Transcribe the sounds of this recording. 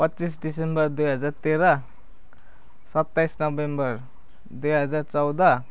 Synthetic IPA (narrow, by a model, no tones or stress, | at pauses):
pʌtːt͡sis̬ɖisembʌɾd̪ujɦʌd͡zaɾt̪eɾʌ | sʌt̪ːajsnʌbembʌr | d̪ujɦʌd͡zaɾt͡sʌwd̪ʌ